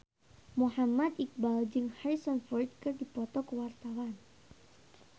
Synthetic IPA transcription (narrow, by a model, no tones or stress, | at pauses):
muhamad̪ik̚bald͡ʒɨŋhaisɔnfɔrt̪̚kɨrdipɔt̪ɔkəwart̪awan